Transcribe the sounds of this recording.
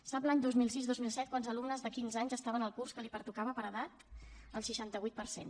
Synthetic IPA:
sabland̪ozmilˠsizðozmilˠsɛt̪̚kwanzəlumnəzðəkinzaɲzəst̪aβənəlˠkurskəlipəɾt̪ukaβəpəɾəðat̪əlˠʃiʃant̪əβujt̪̚pəɾsḛn

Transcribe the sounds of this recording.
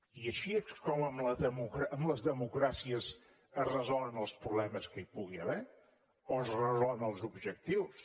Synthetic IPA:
iəʃieskɔməmləðəmukɾaəmləzðəmukɾasiəz | əzrəzɔlˠənəlˠspɾuβlɛməskəipuɣiəβɛ | oəzrəzɔlˠnəlˠzubʒək̚t̪iws

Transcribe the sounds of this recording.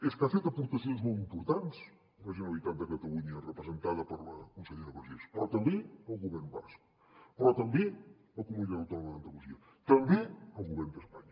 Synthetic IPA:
eskafet̪ɐpuɾt̪ɐsjonzmowt̪impuɾt̪ant̪s | rɐʒinɐujt̪ant̪ɐkɐt̪ɐluɲɐrəpɾəzent̪aðɐpəɾlɐkunseʎeɾɐβəɾʒespɾɔt̪ɐmbeɐwɣuβɛɾnuβa̰sku̥ | pɾɔt̪ɐmbe | ɐkumuiʎɐɾɐt̪aɾðɐðɐnd̪ɐlusiɐ | t̪ɐmbeɐwɣuβɛɾnd̪əspaɲɐ

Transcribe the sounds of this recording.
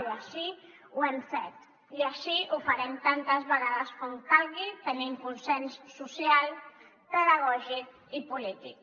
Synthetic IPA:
aʃi | uɛmsɛt̪ | iəʃiufəɾɛmt̪ant̪əzβəɣaðəskɔmkalɣit̪əniŋkunsɛnsːusialˠ | t̪əðəɣɔʒik | ipulit̪ik̚

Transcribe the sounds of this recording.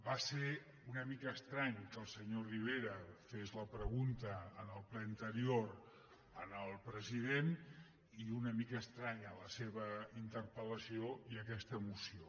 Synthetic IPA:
base | unəmikəːst̪ɾaɲkəlˠsəɲoriβ̞eɾəfezləpɾəɣunt̪əːnəlˠplɛənt̪əɾioɾ | ənəlˠpɾəziðen | iunəmikəːst̪ɾaɲələseβ̞əint̪əɾpələsioiəkɛst̪əːmusio

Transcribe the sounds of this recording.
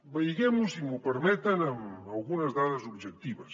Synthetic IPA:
bejɣemusimupeɾmɛt̪anemalˠɣunɐzðaðɐzubʒek̚t̪iβɐs

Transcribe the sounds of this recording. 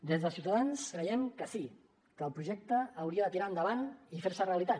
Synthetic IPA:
d̪ezðəsiuwt̪aðanskɾəjɛmkəsi | kəːlˠpɾuʒɛk̚t̪əːwɾiəðət̪iɾaənd̪əβanifeɾsəreəlit̪a

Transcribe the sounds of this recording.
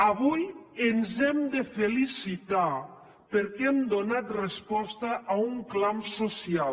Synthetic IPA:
aβujenzɛmd̪efelisit̪a | peɾkɛmd̪onat̪respɔst̪aʔauŋklamsosia

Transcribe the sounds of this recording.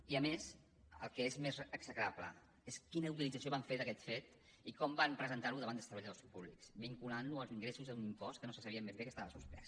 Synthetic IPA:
iəmes | ə̰lˠkəezmezəksəkɾaplə̰ | eskinəut̪̬ilid͡zəs̬ioβaɱfeɾðəkɛt̪fet̪ | ikɔmbampɾəzənt̪aɾuðəβand̪əst̪əβəʎaðospuβliksbiŋkulanluəlˠziŋɡɾesuzðəunimpɔst̪̚kənosəsəβiəmːezβekəst̪aβəsuspɾɛ̰s

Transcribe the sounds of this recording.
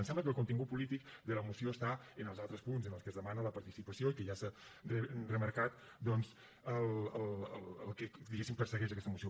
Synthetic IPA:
ənsɛmbləkəlˠkunt̪iŋɡut̪̚pulit̪ikd̪ələmusioəst̪aənəlˠzalˠt̪ɾəspunzənəlˠskəzðəmanələpəɾt̪isipəsioikəʒasərərəməɾkat̪ | d̪ɔnz | əlˠəlləlˠked̪iɣesimpəɾsəɣɛʃ̬əkɛst̪əmusio

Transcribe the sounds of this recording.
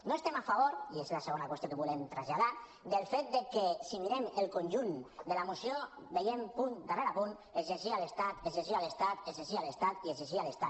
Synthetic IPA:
noest̪emafaβ̞oɾiezlaseɣonakwest̪jokeβulemt̪ɾazʎað̞a | d̪elfet̪̚d̪ekesimiɾemelˠkonʲʒund̪elamusjo | bejempund̪areɾapunezezialest̪at̪ezezialest̪at̪ezezialest̪at̪iezeʃialest̪at̪

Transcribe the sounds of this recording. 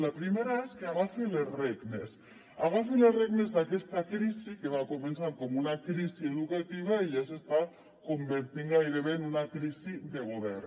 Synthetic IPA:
lapɾimeɾaeskeaɣafelezreɡnes | aɣafelezreɣnezðakest̪akɾisikeβakomensaŋkomunakɾisieðukat̪iβ̞aiʎasest̪a | kombeɾt̪iŋɡajɾeβenunakɾisid̪eɣ̞oβ̞eɾ

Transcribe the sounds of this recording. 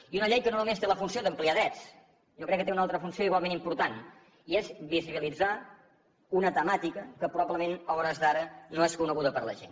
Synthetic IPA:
iunəʎejkənoɾmnumenst̪eləfunsioðəmpliaðɾɛt͡s | ʒɔkɾɛkːət̪eunalˠt̪ɾəfunsioiɣwalˠmẽnimpuɾt̪an | iezβiziβilid͡za | unət̪əmat̪ikəkəpɾuβabləmenɔβɾəzðaɾənoeskunəɣuðəpəɾlə̰ʒḛn

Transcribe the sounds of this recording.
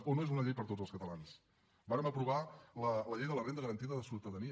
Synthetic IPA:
onoezunəʎejpəɾt̪od͡zəlˠskət̪əlans | baɾəməpɾuβalələʎejðələrend̪əɣɾənt̪iðəðəsuwt̪əðəniə

